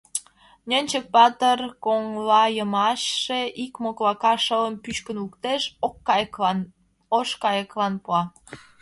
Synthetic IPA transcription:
nʲənʲt͡ɕək̚pɑt̪ərkoŋlɑjəmɑʃːeʔikmoklɑkɑʃələmpyʃkənukt̪eʃk̪ː | oʃkɑjəklɑnpuɑ

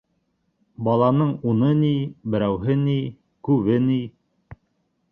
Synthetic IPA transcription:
bɑlˠɑnɤɴunɤnibɘ̆ɾæwɦɘni | kʉβɘni

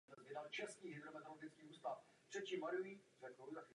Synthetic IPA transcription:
ɛzvɪdalt͡ʃɛskiːɦɪd̪ɾomɛt̪oloɡɪt͡skiːʔuːst̪af | t̪r̥ɛt̪cimaɾuvirɛklɾudax

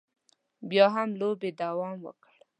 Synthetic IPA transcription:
bjɑɦamlobed̪awɑmwə̰kəɽ

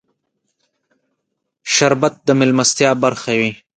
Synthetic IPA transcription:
ʃaɾbat̪̚d̪əmɪlmast̪jɑːbaɾxawi

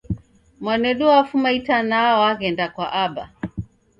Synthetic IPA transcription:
mwanɛɗuafumaitanaɔaɣɛndakwaʔaɓa̰

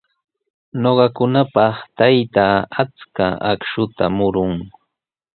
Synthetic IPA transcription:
noɢɑkʊnapɑχt̪ajt̪aːat͡skaakʃʊt̪amʊɾʊŋ

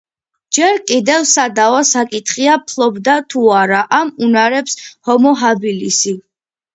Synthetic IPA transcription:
d͡ʒɛɾkʼid̪ɛvsad̪avasakʼit̪ʰχiapʰlˠɔbd̪at̪ʰuaɾaʔamunaɾɛpshɔmɔɦabilisi

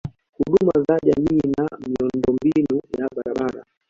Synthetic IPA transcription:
huɗumazaʄamiːnamiundɔmbinujaɓaɾaɓaɾa̰

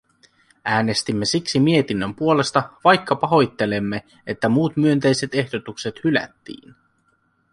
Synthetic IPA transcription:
æːne̞st̪imːe̞siksimiet̪inːømpuo̞le̞st̪ɑʋɑjkːɑpɑɦo̞jt̪ːe̞le̞mːe̞ | et̪ːæmuːt̪myønt̪e̞jse̞t̪e̞hdo̞t̪ukse̞t̪hylæ̰t̪ːḭːn

